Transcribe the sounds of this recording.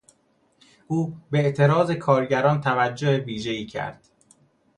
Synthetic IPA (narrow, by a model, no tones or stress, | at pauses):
ʔuːbeeʔt̪ʰe̞ɾɒːze̞kʰɒːɾɟæɾɒːnt̪ʰævæd͡ʒːoheviːʒe̞iːcʰæ̰ɾd̪̥